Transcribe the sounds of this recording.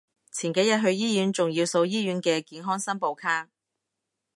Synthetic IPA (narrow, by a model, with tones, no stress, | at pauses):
t͡sʰiː˨˩nke˨˥jɐ˨t̚ɦɵ˧ɥjiː˥jyː˨˥nt͡sʊ˨ŋjiː˧wso˧wjiː˥ɥyː˨˥nkɛː˧kiː˨˥nɦɔː˥ŋsɐ˥npo˨˧wkʰaː˥ŋ̚